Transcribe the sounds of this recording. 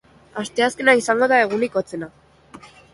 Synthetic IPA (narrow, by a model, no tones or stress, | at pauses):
ast̪e̞aske̞naisaŋɡo̞ðae̞ɣ̞unikot͡se̞na